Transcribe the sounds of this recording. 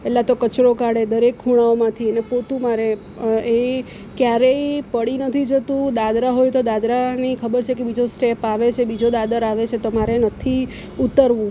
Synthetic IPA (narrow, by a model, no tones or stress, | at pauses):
ɛlat̪okət͡ʃɾokaɽed̪əɾekʰːuɽ̃aomãt̪ʰienepot̪ũmaɾe | e | kjaɾeipəɽinət̪ʰid͡ʒət̪ũd̪ad̪ɾaɦojt̪od̪ad̪ɾanikʰəbəɾt͡ʃʰekebid͡ʒosʈepaʋet͡ʃʰebid͡ʒod̪ad̪əɾaʋet͡ʃʰet̪omaɾenət̪ʰi | ut̪əɾʋũ